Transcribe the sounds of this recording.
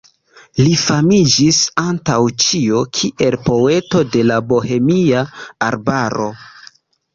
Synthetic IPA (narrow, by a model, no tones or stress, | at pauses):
lifamid͡ʒisantawt͡ʃiokʰiʔe̞lpo̞e̞to̞de̞labo̞he̞miaːɾbaɾo̞